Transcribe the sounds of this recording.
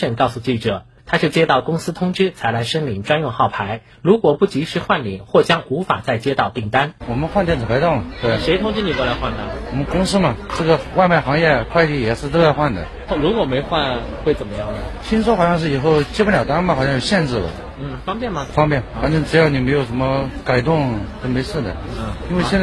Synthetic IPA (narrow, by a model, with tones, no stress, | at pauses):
ʂə˥˩ŋkɑ˥˧ʊsu˧t͡ɕi˥˩ʈ͡ʂɤ˨˩ | t̪ʰa˥t͡ɕjo˥˧ʊt͡ɕjɛ˥t̪ɑ˥˩ʊkʊ˥ŋsɹ̩˥t̪ʰʊ˥ŋʈ͡ʂɻ̩˥t͡sʰa˧˥ɪla˧˥ɪʂə˥nli˨˩ŋʈ͡ʂwa˥njʊ˥˧ŋxɑ˥˩ʊpʰa˧˥ɪ | ɻu˧˥kwɔ˨˩pu˥˩t͡ɕi˧˥ʂɻ̩˧˥xwa˥˩nlḭ˨˩˦xwɔ˥˩t͡ɕjɑ˥ŋu˧˥fa̰˨˩t͡sa˥˩ɪt͡ɕjɛ˥t̪ɑ˥˧ʊt̪i˥˩ŋt̪a˥nwɔ˨˩mə˦nxwa˥˧nt̪jɛ˥˩nt͡sɹ̩˨˩pʰa˧˥ɪt̪ɑ˥˩mə˩t̪we˥˩ɪʂe˧ɪt̪ʰʊ˥ŋt͡ɕi˥˩ni˨˩kwla˧˥xwa˥˩nd̪ə˩wɔ˨˩mə˦nkʊ˥ŋsɹ̩˥mɐ˨ʈ͡ʂɤ˥˩ɡə˩wa˥˧ɪma˥˩ɪxɑ˧˥ŋjɛ˥˩kʰwa˥˧ɪt̪i˥˩jɛ˨˩ʂɻ̩˥˧t̪o˥a˥˧xwa˥˩nd̪ə̰˩˥˩ɻu˧˥kwɔ˨˩me˧˥ɪxwa˥˧n | xwe˥˩ɪt͡sə˨˩mə˦jɑ˥˩ŋnə˩ɕʰi˥nswɔ˥xɑ˨˩ɕjɑ˥˧ʂɻ̩˥˩i˨˩xo˥˩ʊt͡ɕɛ˥pə˥nljɑ˨˩ʊt̪a˥nmə˨˩xɕjɑ˥˧˩jo˨˩ʊɕjɛ˥˧nʈ͡ʂɻ̩˥˩lə̰˩ | n̩˥˩fɑ˥ŋpjɛ˥˩nmɐ˨˩fɑ˥ŋpjɛ˥˩na˥nʈ͡ʂɤ˥ŋʈ͡ʂɻ̩˧˥jɑ˥˩ni˨˩me˧˥ɪjo˨˩ʊʂə˧˥nmə˧ka˨˩ɪt̪̬ʊ˥˧ŋt̪o˥˩me˧˥ɪʂ̩˥˩d̪ə̰˩˥˩i˥nwe˥˧ɕjt͡s